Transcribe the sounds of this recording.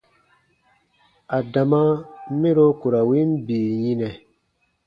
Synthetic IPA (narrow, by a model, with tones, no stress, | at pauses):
a˨da˨mã˦mĩ˦ɾo˦ku˨ɾa˨wi˦m˦biː˨jĩ˦nɛ˨